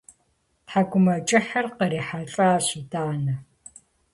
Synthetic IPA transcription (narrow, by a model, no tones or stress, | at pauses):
ħaɡʷʊmɐt͡ʃʼɪħɐrqəɾiːħaɬʼaːɕidaːnɐ